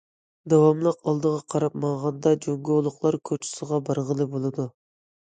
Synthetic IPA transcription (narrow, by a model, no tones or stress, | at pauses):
d̪ɑwɑmlˠəqɑlˠd̪əʁɑqʰɑɾɑp̚mɑʁɑnd̪ɑd͡ʒoŋɡolˠːʊqlˠɑɾkʲʰøt͡ʃʰi̥səʁɑbɑɾʁəlˠɨbolˠɨd̪u